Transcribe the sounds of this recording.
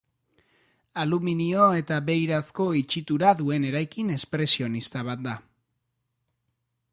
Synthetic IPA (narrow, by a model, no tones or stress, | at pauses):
aluminio̞e̞t̪aβe̞jɾasko̞it͡ʃit̪uɾaðue̞ne̞ɾajkine̞spɾe̞sio̞nist̪aβ̞at̪̚d̪a